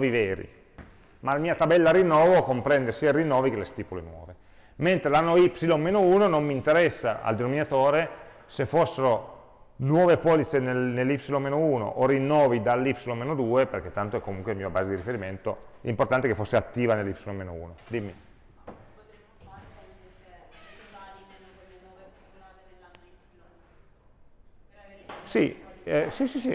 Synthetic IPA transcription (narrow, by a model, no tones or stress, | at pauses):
viveːɾḭ | malamiːat̪abɛlːaɾinːɔːvokompɾɛnd̪esiːarinːɔːvikelːest̪iːpulenwɔ̰ːve | ment̪ɾelanːoipsilommeːnouːnonomːint̪eɾɛsːaa̰ld̪enominat̪oːɾe | sefːosːeɾo | nwɔːvepɔːlit̪senelnelːipsilomeːnouːno̰ʔorinːɔːvid̪alːipsilomeːnod̪uːeperk̟et̪ːant̪oɛkːomuŋkwelmiːabaːzed̪iɾifeɾiment̪oimport̪ant̪ekefosːeat̪ːiːvanelːipsilõmenoṵːnod̪imːi | sḭɛsisisi